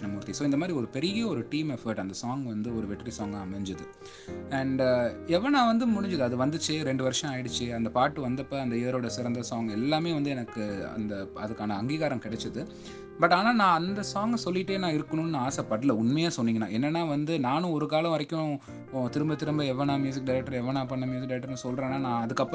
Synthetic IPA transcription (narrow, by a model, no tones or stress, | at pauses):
ɐmuːɾt̪ːisoːɪnd̪ɐmaːd̪ɾiɔɾɯpɛɾɪjɐɔɾɯʈiːmɛfɐɾʈɐnd̪ɐsaːŋɡʋɐnd̪ɯɔɾɯʋɛʈːɐɾisaːŋɡaɐmɛɲd͡ʒɐðɯ | ɐɳɖɛʋːɐnãːʋɐnd̪ɯmʊɽɪɲd͡ʒɯðɯɐðɯʋɐnd̪ɯt͡ʃːɯɾɛɳɖɯʋɐɾɪʂɐ̃aːjɪɽɯt͡ʃːɯɐnd̪ɐpaːʈːɯʋɐnd̪ɐpːɐɐnd̪ɐeːɾoːɽɐsɪɾɐnd̪ɐsaːŋɡɛlːaːmeːʋɐnd̪ɯɛnɐkːɯɐ̰nd̪ɐɐ̰ðɯkːaːnɐɐŋɡiːɣaːɾɐmkɪɽɛt͡ʃːɐðɯ | bɐʈːaːnaːnãːɐnd̪ɐsaːŋɡɐsɔlːɪʈːeːnãːɪɾɯkːɐɳʊ̃nɯnãːaːsɐpːɐɽɯlɐʊnmɐjaːsɔnːiːŋɡɐnã̰ːɛnːɛnːaːʋɐnd̪ɯnaːnʊ̃ɔɾɯkaːlɐ̃ʋɐɾɐkːʊ̃ | t̪ɪɾɯmbɐt̪ɪɾɯmbɐɛʋːɐnaːmjuːs̬ɪk̚ɖɐɪɾɛk̚ʈːɐɾɛʋɐnaːpɐɳːɐmjuːsɪkɖɐɾkʈːɐɾnɯsɔlɾẽːnːaːnãːɐðɯkːɐpː